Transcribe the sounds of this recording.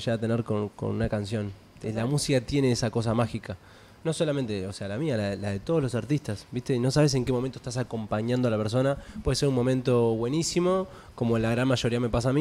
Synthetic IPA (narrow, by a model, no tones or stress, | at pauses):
ʃeat̪e̞neɾkonko̰nunakans̬jo̞n | elamusikat̪jene̞esako̞s̬amaxika | noso̞lament̪eose̞alamialaðelaðe̞t̪oðlo̞s̬aɾt̪ist̪asbiht̪eno̞s̬aβes̬e̞ŋkemo̞mẽnt̪o̥ht̪asako̞mpaɲãnd̪oalapeɾs̬o̞napwe̞ðeseɾunmo̞mẽnt̪o̞βwe̞nisimo̞ | ko̞molaɣɾanmaʃo̞ɾiame̞pas̬aːmi